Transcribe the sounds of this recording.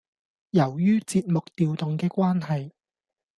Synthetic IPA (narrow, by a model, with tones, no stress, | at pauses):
jɐ˨˩wjyː˥t͡siː˧t̚mʊ˨k̚t̪iː˨wt̪ʊ˨ŋkɛː˧kʷwaː˥nhɐ˨j